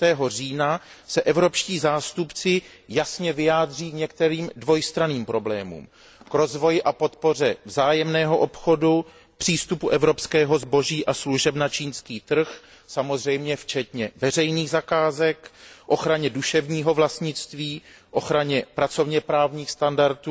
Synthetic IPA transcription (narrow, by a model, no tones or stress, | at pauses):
t̪ɛːɦo̞riːna | sɛʔɛvɾo̞pʃciːzaːst̪upt͡sɪ | jasɲɛvɪjaːd̪r̝iːkɲɛk̚t̪ɛɾiːmdvo̞jst̪ɾaniːmpɾo̞blɛːmṵːm | kɾo̞zvo̞jɪʔapo̞t̪po̞r̝ɛvzaːjɛmnɛːɦo̞ʔo̞pxo̞du | pr̥iːst̪upuʔɛvɾo̞pskɛːɦo̞zbo̞ʒiːʔasluʒɛpnat͡ʃiːnskiːt̪r̩x | samo̞zr̝ɛjmɲɛft͡ʃɛt̪ɲɛvɛr̝ɛjniːɣzakaːzɛkʔo̞xɾaɲɛduʃɛvɲiːɦo̞vlast̪ɲɪt͡st̪viː | ʔo̞xɾaɲɛpɾat͡so̞vɲɛpɾaːvɲiːxst̪andaɾt̪u